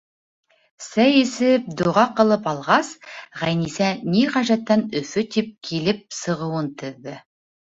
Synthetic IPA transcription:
sæjisɘp̚d̪uʁɑqɤ̆lˠɤpɑlˠʁɑsʁæjnisæniʁæʒæt̪ːænɵ̆fɵt̪ip̚kʰilɘp̚sɤ̆ʁɤ̆wɤnt̪ɵ̆ðːɘ

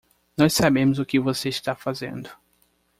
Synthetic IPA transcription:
nɔssabẽmʊzʊkɪvoseist̪afazḛ̃nd̪ʊ

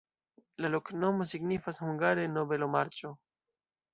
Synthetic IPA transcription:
lalo̞kno̞mo̞siɡnifashuŋɡaɾe̞nobe̞lo̞maɾt͡ʃo̞

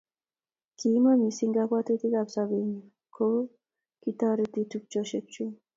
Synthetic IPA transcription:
kimamisiŋɡakat̪et̪ikabsaben | kʰo | kit̪aɾet̪it̪ʰuk̚t͡ʃɔʃet͡ʃu

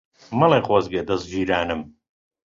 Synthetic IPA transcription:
mɐlˠeχwɐzɡed̪ɐzd͡ʒiːɾaːnɨm

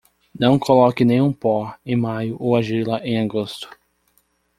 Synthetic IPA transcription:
nɐ̃w̃kʰolɔkɪnẽj̃ũpɔẽj̃majʊʔowaʒilɐʔẽj̃aɡost̪ʊ̥

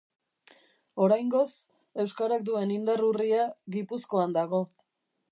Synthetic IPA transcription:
o̞ɾajŋɡo̞s | e̞wskaɾak̚d̪ue̞nind̪aruriaɣipusko̞and̪aɣo̞

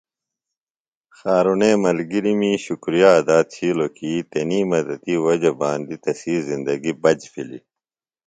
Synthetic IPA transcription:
xaːɾuneːmɐlɡiɾimiɕukɾijad̪aːt̪̚t͡ɕʰiːlokiːt̪eniːmɐd̪ɐt̪iːwɐd͡ʑɐbaːnd̪it̪ɐsiːzind̪ɐɡibɐd͡ʑfʰilḭ

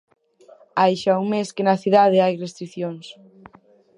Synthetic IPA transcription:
ajʃauŋmeskenɐθiðað̞eajrest̪ɾiθjoŋs

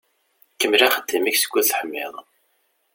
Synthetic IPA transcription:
kːəmːlæχəd̪ːimæçsə̥ɡʷːuðθəħəmːɪ̰ðˤ

